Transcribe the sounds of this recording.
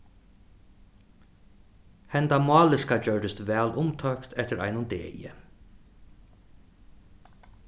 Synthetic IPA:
hɛnt̪amɑːlɪskad͡ʒœɹɖɪst̪ʋɛːlʊmt̪ʰœkt̪ʰɛt̪ɪɾa̰jnʊnd̪ḛːjɪ̰

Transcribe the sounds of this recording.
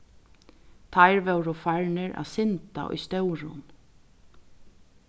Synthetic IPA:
t̪ʰajɾʋɛwɾʊfaɹnɪɾa̰sɪnt̪a̰ʔɔ̰jst̪ɛwɾʊ̰n

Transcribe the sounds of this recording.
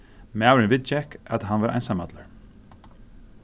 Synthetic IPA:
mæːwɾɪnvɪt̪t͡ʃɛhka̰t̪ɦanvaɾʔa̰jnsamat̪laɹ̥

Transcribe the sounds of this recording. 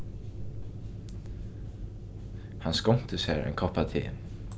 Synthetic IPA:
hanskɔm̥t̪əshɛ̰ːɹa̰ɪnkʰɔhpat̪ʰḛː

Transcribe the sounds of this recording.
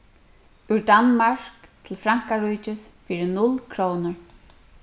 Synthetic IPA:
ʊɾd̪anmaɹ̥kt̪ʰɪlfɾaŋ̥kaɾuːt͡ʃɪsfiːɾɪnʊlkʰɾownʊɹ

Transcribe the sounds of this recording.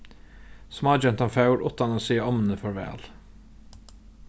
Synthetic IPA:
smɑːd͡ʒɛnt̪ɑnfɑʉɾʔʊt̪ɑnoːsiːəɔmn̩əfɔɾʋæ̰ːl

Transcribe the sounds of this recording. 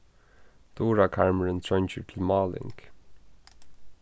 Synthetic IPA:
d̪̥oːɹakʰaɹməɹənt̪ʰɹœnt͡ʃəʈʰɪlmɑːlɪ̰ŋk

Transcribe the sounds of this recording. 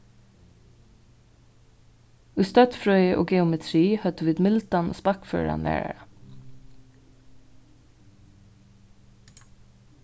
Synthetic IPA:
ʉːst̪œt̪fɹœʏʔo̰ːɡɛʊmɛt̪ʰɾiːhœt̪ʉʋiːd̪mɪlt̪ɑno̰ːspɑkfø̰ːɹɑ̰nʋæ̰ːɹ̰ɹɑ

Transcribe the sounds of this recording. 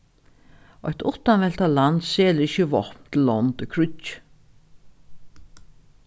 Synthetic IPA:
ɔjt̪ʊht̪ːanvɛlt̪alant̪seːlɪʃəvɔhpnt̪ʰɪlːɔnt̪ɪkʰɾʏc̪ː

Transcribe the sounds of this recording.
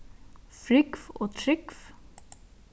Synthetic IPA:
fɾʏkfo̰ːt̪ʰɾʏkf

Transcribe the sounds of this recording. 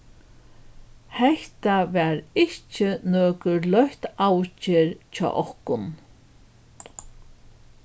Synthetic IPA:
hɛht̪avɛɾɪht͡ʃɪnɔːkʏɾlœht̪awt͡ʃɪɾt͡ʃʰɔ̰ːʔɔhkʊn

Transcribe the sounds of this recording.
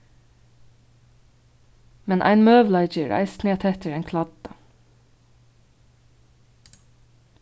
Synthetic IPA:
mɛnʔæ̰ɪnmøːʋl̩ɑɪd͡ʒəɹæ̰ɪst̪neːt̪ʰɛt̪əɹeːŋkʰlɑd̪̥ə

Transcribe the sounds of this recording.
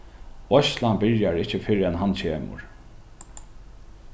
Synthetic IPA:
ɔʃlambɪɹjaɹɪht͡ʃːɪfɪɾɛnɦant͡ɕʰeːmʊ̰ɹ

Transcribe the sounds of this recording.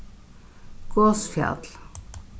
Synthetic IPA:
ɡ̥osfja̰t̪l

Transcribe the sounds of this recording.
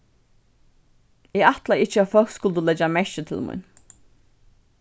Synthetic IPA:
ɪaht̪laɪht͡ʃəafœlkskʊlt̪ʊlɛd͡ʒamɛɹət̪ʰɪ̰lmṵjn

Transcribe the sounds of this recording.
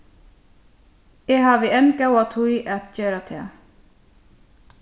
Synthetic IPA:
ɛɦaːvɪɛnkawat̪ʰujat̪ceːɾat̪ʰɛː

